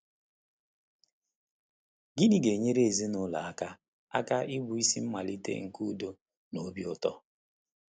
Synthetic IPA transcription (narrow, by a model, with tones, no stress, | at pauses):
ɡi˦ni˨ɡe˨ɲe˦ɾe˦e˨zi˦nʊ˦la̰˨a˦ka˦ | a̰˦ka˦ʔɪ˦bu˨i˦si˦m̩˦ma˨li˦tḛ˦ŋ̩˨ku˦do˦ | no˨˦bi˦ʊ˦tɔ˦